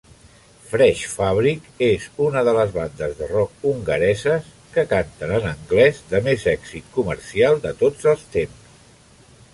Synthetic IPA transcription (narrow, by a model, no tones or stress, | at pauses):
fɾɛʃfaβ̞ɾikezunəðələzβand̪əzðərɔk̚uŋɡəɾɛzəs | kəkant̪ənənəŋɡlɛzd̪əmezɛksit̪̚kuməɾsialˠd̪ət̪od͡zəlˠst̪emss